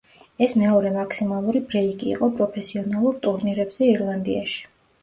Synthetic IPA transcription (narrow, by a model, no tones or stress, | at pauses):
ɛsmɛɔɾɛmakʰsimalˠuɾibɾɛikʼḭːqʼɔpʼɾɔpʰɛsiɔnalˠuɾt̪ʼuɾniɾɛbz̥ɛiɾlˠand̪ḭa̰ʃi̥